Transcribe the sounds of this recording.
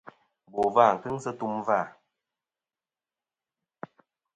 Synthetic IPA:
bɔ˨va˦˨ŋ̩˨kɨ˦ŋ˦sə˦tu˦mva˦˨

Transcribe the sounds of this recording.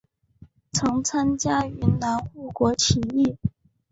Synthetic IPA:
t͡sʰɤ˧˥ŋt͡sʰa˥nt͡ɕja˥y˧˥nna˧˥nu˥˩kwɔ˧˥t͡ɕʰi˧˥i˥˩

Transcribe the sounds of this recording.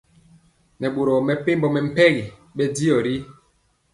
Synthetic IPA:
nɛ˨ɓo˨ɾɔ˨mɛ˨pe˦mbɔ˨mɛ˨m̩˦pɛ˦ɣi˨ | ɓɛ˦di˦ɔ˨ɾi˦

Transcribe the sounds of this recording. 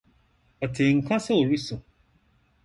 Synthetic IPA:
ɔ˨tĩ˨ŋ̩˦kã˦se˦o˨ɾi˦sũ˨

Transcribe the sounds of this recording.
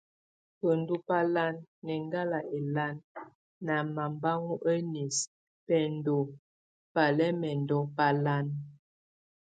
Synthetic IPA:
pə˨n˦du˦pa˦la˦nːɛ˨ŋɡa˦la˨ʔe˨la˦nː | a˨ma˨mba˦ŋu˦ʔe˦ni˨s | pɛ˨ndo˨ | pa˨lɛ˦mɛ˨ndɔ˦pa˦la˦n

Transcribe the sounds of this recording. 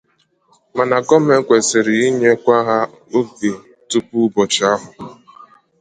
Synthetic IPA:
ma˨na˨ɡɔ˦m˦e˦ŋ̩˦kʷe˨sɪ˨ɾɪ˨i˦ɲe˦kʷa˦ɦa˦ | o˦ɡe˨ | tu˦pu˦bɔ˨t͡ʃɪ˦a˦ɦʊ˨

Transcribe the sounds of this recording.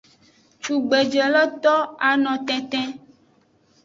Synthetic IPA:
t͡ʃu˨ɡ͡be˨d͡ʒɛ˨lɔ˦t̪ɔ˦a˨nɔ̃˨t̪ɛ̃˨t̪ɛ̃˦

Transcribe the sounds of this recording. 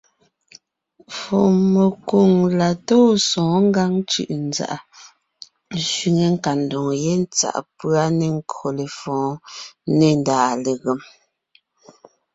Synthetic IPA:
fɔ˨me˨ko˨ŋla˨toː˦sɔ̃ː˨˦ŋ̩˦ɡa˦ŋt͡ʃʉ̰˨ʔn̩˦d͡za̰˨ʔa˨˦ | ʃɥi˨ŋe˨ŋ̩˦ka˨n̩˨dɔ˨ŋje˦n˦t͡sa̰˨ʔpɰa˦ne˨ŋ̩˦ko˨le˨fɔ̃ː˨˦ne˨n˨daː˨le˨ɣe˨m

